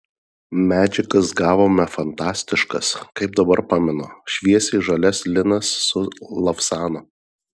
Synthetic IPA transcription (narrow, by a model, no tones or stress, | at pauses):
mʲæːd͡ʒʲɪkɐsɡɑːʋoːmʲɛfɐnt̪ɑːsʲt̪ʲɪʃkɐskɐɪp̚d̪ɐbɐɾpɑːmʲɪnoʃʲʋʲiɛsʲɛɪʒɐlʲɛslʲɪnɐsːʊlˠɐfsɑːno